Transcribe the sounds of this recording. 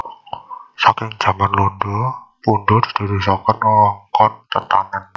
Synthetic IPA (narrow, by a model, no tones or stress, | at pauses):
sakɪŋd̥ʒ̥ä̤manlondopundod̪̥i̤̥d̪̥i̤ɾusɔkənɔŋkɔnt̪ət̪a̰nan